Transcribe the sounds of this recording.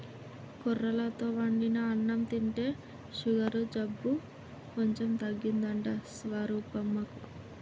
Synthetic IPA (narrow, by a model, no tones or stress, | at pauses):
kɔrːɐlɐt̪o̞ːʋɐɳɖinɐːɳːɐmt̪iɳʈe̞ː | ʃuɡɐɾud͡ʒɐbːu | koɲt͡ʃe̞mt̪ɐɡːind̪ɐɳʈɐsʋaɾuːpɐmːɐku